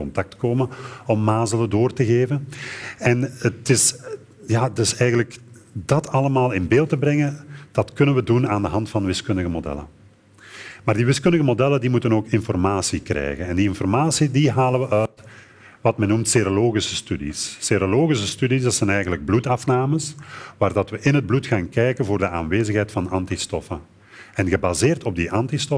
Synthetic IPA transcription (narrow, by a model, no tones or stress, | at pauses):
ɔntɑk̚tkoːməɔmːaːzələdoːrtəɣeːvənɛnətɪs | jaːtɪsɛjɣənləkdɑtʰɑləmaːlˠɪnbeːlˠtəbrɛŋəd̥ɑtkɵnənʋədunaːndəɦɑntfɑnʋɪskɵndəɣəmodɛ̰lə̰ | maːrdiʋɪskɵndəɣəmodɛlədimutənoːkɪnfɔrmaːsikrɛ̰jɣənɛndiɪnfɔrmaːsidiɦaːləʋəʔœt | ʋɑtmɛnːumtseɾoloːɣisə̥stydḭsːeɾoloːɣis̬əstydisdɑtsɛnɛjɣənləɡ̚blutɑfnaːməsʋaːrdɑtʋəʔɪnɦəd̚blutxaːnkɛjkənvoːrdəʔa̰ːnʋeːzəxɦɛjtfɑnɑntistɔfə | ɛnɣəbaːzeːrtɔb̚diʔɑntistɔ